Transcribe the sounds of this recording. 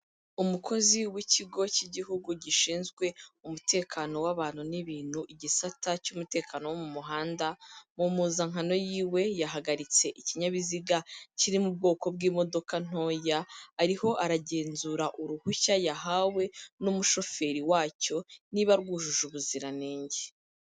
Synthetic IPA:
umukʰo̞ziwiciɡo̞ciɟiɦuɡuɟiʃiːnzɡwe̞umute̞ːkʰano̞waβaːn̥uniβiːn̥huʔiɟisatacumute̞ːkaːnowomumuɦaːndamumuzaŋano̞jiːwe̞jaɦaɡaɾit͡se̞ʔiciɲaβiziɡaciɾimub̚ɡo̞ːko̞bɡiːmo̞do̞kan̥o̞ːjaːɾiho̞ʔaɾaɟe̞ːnzuːɾaʔuɾuhuçajaɦawe̞numuʃo̞fe̞ːɾiwaːco̞niβaɾɡuːʒuʒuβuziɾaneːɲɟe

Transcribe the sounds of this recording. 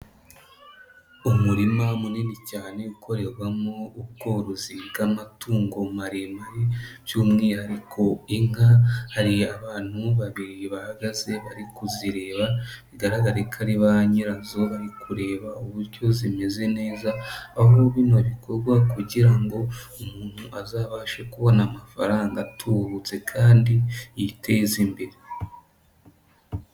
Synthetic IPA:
umuɾimamuninicaːne̞ukʰo̞ɾe̞ɾwamouβ̚ɡo̞ɾoziβɡamatuːŋɡo̞maɾemaɾivjumŋiːhaɾikʰo̞iŋhahaɾiaβaːn̥huβaβiɾiβahaɡaze̞βaɾikuziɾe̞ːβaβiɡaɾaɡaɾekʰaɾiβaɲiɾazo̞βaɾikuɾe̞ːβauβuɾɟo̞zime̞ze̞ne̞ːzaaβoβiːnoβiko̞ɾɡwakuɟiɾaŋɡo̞umuːnhuʔazaːβaʃekuβo̞namafa̰ɾaːŋɡatʰuɾut͡se̞kʰaːndiitʰe̞zimbeɾe

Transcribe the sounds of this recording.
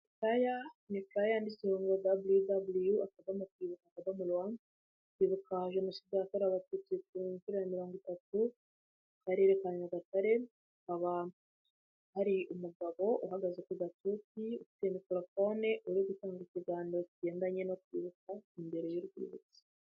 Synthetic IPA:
ifɾajanifɾajandisioːŋɡodabulujudabulujuakaβamukwiːβukakaβamulwan | ukwiːβukaʒeno̞sidakoɾaβatuːt͡sikuɲkuɾajamiɾoːŋɡitatu | kaɾeɾekaɲaɡataɾe̞ | akaβa | haɾiumuɡaβo̞ʔuɦaɡazekuɡatut͡siufi̥temikilofo̞neʔuɾiɡutaːŋɡiciɡaːndo̞ciɟe̞ːndaɲenokwḭːβukaimbe̞ɾe̞joɾɡwḭːβṵt͡si̥

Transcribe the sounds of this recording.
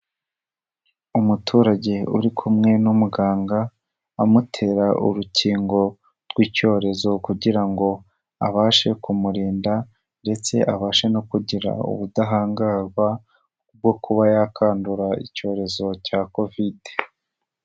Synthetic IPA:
umutʰuːɾaɟe̞uɾikʰumŋe̞numuɡaːŋɡa | amutʰe̞ɾaʔṵɾucʰiːŋɡo̞ | ɾɡwiːco̞ːɾe̞zo̞kuɟiɾaŋɡo̞ | a̰βaːʃe̞kumuɾiːnda | nde̞t͡se̞̰ʔaβaːʃe̞no̞kuɟiɾa̰ṵβudaɦaːŋɡaɡwa | b̚ɡo̞kuβajakʰaːnduɾaḭco̞ːɾe̞zo̞caːko̞vide

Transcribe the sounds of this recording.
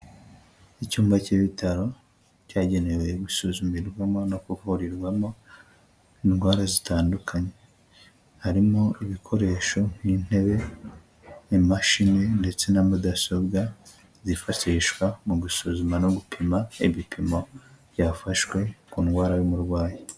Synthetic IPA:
icuːmbaciβitʰaɾo̞ | caːɟe̞ne̞wejeɡusuzumiɾɡwamo̞no̞kuvuɾiɾɡwamo̞ | inɡwaːɾazitaːndukʰaɲe̞ | haɾimoiβikʰo̞ɾe̞ːʃo̞ŋ̥in̥e̞βe̞ | imaʃinende̞t͡se̞namudasobɡa | zifaʃiʃwamuɡusuzumano̞ɡupʰimaiβipʰimo̞β̥jaːfaʃwe̞kuːnɡwaːɾajomuɾɡwaːje

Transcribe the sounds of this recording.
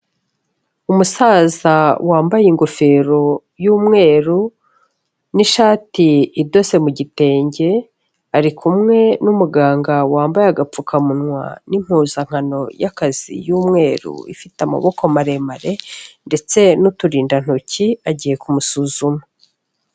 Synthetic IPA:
umusaːzawaːmbajiŋɡofe̞ɾo̞ | juːmŋe̞ːɾu | niʃaːtiːdo̞se̞muɟite̞ːɲɟe̞ | aɾikʰumŋe̞numuɡaːŋɡawaːmbajaɡap͡fukʰamunŋwa̰nim̥huːzaŋ̥ano̞jakaz̥ḭjuːmŋe̞ːɾṵḭfitama̰βo̞komaɾe̞maɾe̞nde̞t͡se̞nutuɾiːndan̥uciaɟiːje̞kumusuːzumu

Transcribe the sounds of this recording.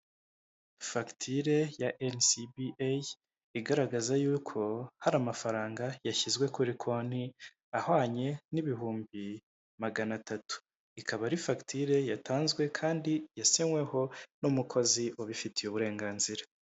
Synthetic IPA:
faktʰiɾe̞jaʔensibiʔa | iɡaɾaɡazajuːkʰo̞haɾamafaɾaːŋɡajaçizɡwe̞kuɾikʰo̞ni | ahwaːɲe̞niβiɦuːmbi | maɡanatatu̥ | ikʰaβaɾifaktʰiɾe̞jatʰaːnzɡwe̞kʰaːndijasiŋwe̞ho̞numukʰo̞ziʔoβifitijeβuɾe̞ːŋɡaːnziɾḁ

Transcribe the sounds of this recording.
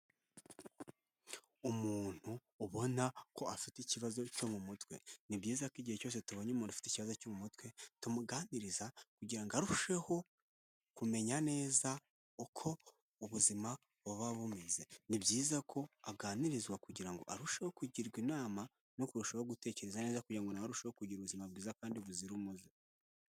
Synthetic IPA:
umuːn̥huː | βo̞nako̞afiteiciβazo̞co̞mumutwe̞̰nibɟiːzakiɟiheco̞ːs̬e̞tuβo̞ɲemuːndu̥fi̥teiciβazo̞comumutwe̞tumuɡaːniɾizakuɟiɾaŋɡaɾuʃe̞ho̞ | kume̞ɲane̞ːza | ukʰo̞ | uβuzima | βoβaβumeze̞nibɟiːzakʰo̞aɡaːniɾizwakuɟiɾaŋɡo̞̰ʔaɾuʃeho̞kuɟiɾɡwinaːma | nokuɾuʃaoɡute̞ːce̞ɾezane̞ːzakuɟiɾaŋɡo̞nawaɾuʃehokuɟiɾuβuzimab̚ɡiːzakaːndiβuziɾumuzi

